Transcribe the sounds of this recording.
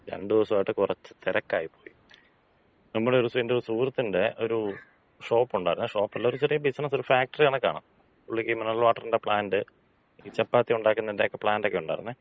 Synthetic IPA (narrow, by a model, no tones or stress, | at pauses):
ɾḛɳɖɨðiʋɐsɐmaːjiʈːɨkurɐt͡ɕːɨ̥t̪iɾɐkːaːjipːo̞ːji | nɐmːuɽeo̞ɾusindeɾusuːrɐt̪ːinde̞ʔo̞ɾu | ʂo̞ːpːuɳɖaːɾinːɨʂo̞ːpːɐlːaːoɾut͡ɕerijɐbisɐnɐso̞ɾufaːk̚ʈɐrijaːɳɨkːa̰ːɳɐ̰m | uɭːikːimɐnɐlʋaːʈːɐrinde̞pɭaːndɨ | iːt͡ɕɐpːaːt̪ːiuɳɖaːkːunːɐndeːkːepɭaːndokːeuɳɖaːɾḭnːɨ